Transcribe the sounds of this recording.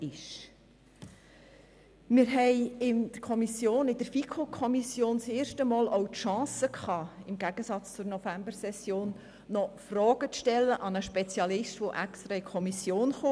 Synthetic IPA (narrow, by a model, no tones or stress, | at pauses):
ɪʃ | mɪɾɦɛɪɪnd̪̥əɾkʰɔmisjoːnɪd̥əɾfikʰokʰɔmisjoːnseːɾʃtəmɔːlɔwtʃɑ̃ːsəkχɑːɪmɡæɡ̥əsɑt͡st͡sʊɾnɔfæmbəɾsɛsjoːnː | ɔfrɔːɡ̥ət͡sʃtɛlːəʔɑnəʃpɛt͡sjɑlɪʃtʋoʔækst̪ɾɑɪkʰɔmisjoːnχoː